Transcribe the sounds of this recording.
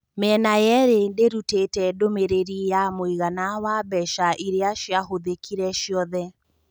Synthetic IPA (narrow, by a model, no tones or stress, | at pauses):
mɛnajɛɾendeɾutetɛdomeɾeɾijamoiɣanawabɛʃaʔiɾeaʃjaɦoðekʰiɾɛʃjɔðɛ